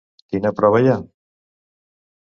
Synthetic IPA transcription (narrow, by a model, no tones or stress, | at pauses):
kinapɾɔβaja